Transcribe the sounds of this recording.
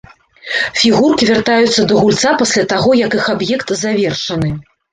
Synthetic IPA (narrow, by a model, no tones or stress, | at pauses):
fʲiɣurkʲivʲart̪ajut̪sːɐd̪ɐɣulʲt̪sapasʲlʲat̪aɣɔjɐkɨxabjɛkt̪zavʲɛrʂɐnɨ